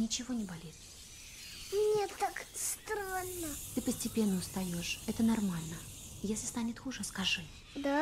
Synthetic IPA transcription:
nʲɪt͡ɕɪvo̞nʲɪbɐlʲit̪ | mnʲet̪akst̪ɾanːət̪ɨpəsʲtʲɪpʲe̞nːəʊst̪ɐjo̞ʂɛt̪ənɐrmalʲnə | jesʲlʲɪ̥st̪anʲɪt̪xuʐəskɐʐɨ | d̪a

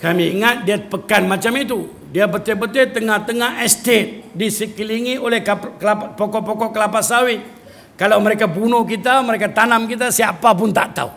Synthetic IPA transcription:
kamiːŋat̪̚diapəkanmat͡ʃamit̪̬u | diabət̪ebət̪et̪əŋaht̪əŋahɛst̪et̪̚disəkliŋiolɛhkklapɔkɔʔpɔkɔʔkəlapasawɪt̪̚ | kalawməɾekabunʊhkit̪aməɾekat̪anamkit̪asiapapʊnt̪a̰ʔt̪a̰u

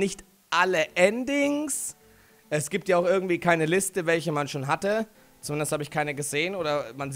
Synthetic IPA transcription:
nɪçt | ʔaləʔɛndɪŋs | ʔɛsɡ̥iːp̚tjaaʊxʔɪɐɡŋ̩tv̥iːkʰaɪnəlɪstəvɛlçəmanʃoːnɦatə | t͡sumɪndəsthaːbəɪçkʰaɪnəɡəzeːənoːdɐmanz

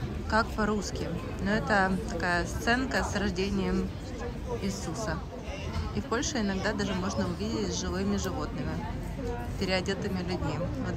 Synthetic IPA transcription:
kakpɐɾuskʲɪ | noɛt̪ət̪ɐkajəst̪sɛnkəsrɐʐdʲenʲɪjəm | isusə | ifpo̞lʲʂɨɪnɐɡd̪ad̪aʐɨmo̞ʐnəʊvʲidʲɪtʲzʲʐɨvɨmʲɪʐɨvo̞t̪nɨmʲɪ | pʲɪɾʲɪɐdʲet̪ɨmʲɪlʲʉdʲmʲivot̪

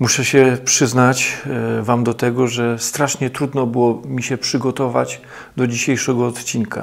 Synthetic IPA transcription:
muʂɛɕɛpʂɘznat͡ɕvamd̪ɔt̪ɛɡɔʐɛst̪ɾaʂɲɛt̪ɾud̪nɔbɘwɔmʲiɕɛpʂɘɡɔt̪ɔva̰t͡ɕ | d̪ɔd͡ʑiɕejʂɛɡɔːt̪t͡ɕinka̰

